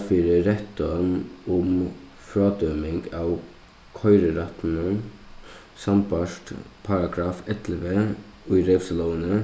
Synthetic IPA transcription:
fiːɾəɾɛt̪ɔnʊm | fɾɑːd̪œmɪŋɡɑːʋ | kʰɔʏɾəɾɑt̪n̩ə | sɑmbɑʃʈpʰɑɾɑɡɾɑːfɛt̪ləʋeː | ʉʏɾɛʋsəlɔːənə

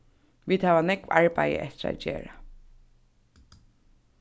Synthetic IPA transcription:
ʋiːd̪hæːʋanɛkʋɑɹbæɪə̰ʔɛht̪əɾa̰d͡ʒḛːɹa

